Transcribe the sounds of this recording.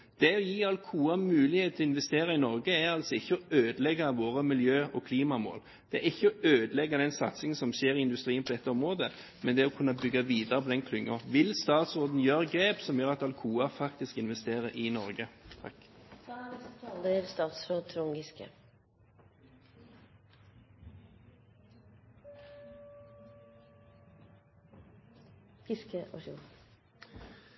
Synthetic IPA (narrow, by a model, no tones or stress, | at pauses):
d̪̥ɛɔjiːɑlkʰuːɑmʉːlɪheːt̪ʰɔɪnʋɛst̪eːɾɑɪnɔɾɡəæɾɑlt̪sɔɪçːəɔøːd̪əlɛɡɑʋoːɾəmɪljøːɔkʰliːmɑmo̰ːl | d̪̥ɛæɪçːəɔøːd̪əlɛɡːɑd̪ɛnsɑ̰t̪sɪŋənsɔmʃeːɾɪɪnd̪ʉst̪ɾiːənpɔd̪ɛt̪ːəɔmɾoːd̪ə | mɛnd̪ɛɔkʰʉnːɑbʏɡːɑʋiːd̪ɑɾəpʰɔd̪ɛnkʰlʏŋːʊʋɪlst̪ɑːt̪sɔːd̪n̩jøːɾəɡɾeːpsɔmjøːʁɑt̪ɑlkʰuːɑfɑkt̪ɪskɪnʋɛst̪eːɾəʔɪnɔɾɡət̪ʰɑ̰k | ld̪əɾst̪ɑːt̪sɾoːd̪̚t̪ʰɾʊŋɡɪskə̰ | ɪskəʔoʃu